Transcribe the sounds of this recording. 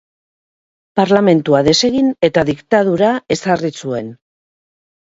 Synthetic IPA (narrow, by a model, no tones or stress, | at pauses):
paɾlame̞nt̪uaðe̞se̞ɣine̞t̪aðikt̪að̞uɾae̞sarisue̞n